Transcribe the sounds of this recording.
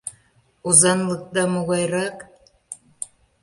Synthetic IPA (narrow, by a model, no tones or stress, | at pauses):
uzɑnlˠɤk̚d̪ɑmuɣɑjɾɑk